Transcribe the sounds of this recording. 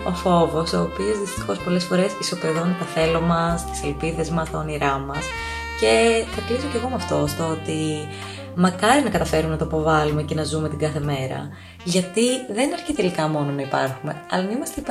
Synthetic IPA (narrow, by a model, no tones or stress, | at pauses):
o̞fo̞vo̞so̞ːpio̞zðist̪i̥xo̞spo̞le̞sfo̞ɾe̞sisopeðont̪ɐθe̞lomɐst̪i̥se̞lpiðe̞zmɐst̪ɐoniɾɐmɐs | ce̞θɐklizoce̞ɣo̞mɐft̪o̞st̪oot̪i | mɐkɐɾinɐkɐt̪ɐfe̞ɾumenɐt̪oipo̞vɐlume̞ce̞nɐzume̞t̪iɡɐθe̞me̞ɾɐ̰ | ʝɐt̪iðe̞nɐɾçit̪e̞likɐmo̞no̞nɐipɐ̰ɾxume̞̰ɐ̰lɐnɐimɐst̪ep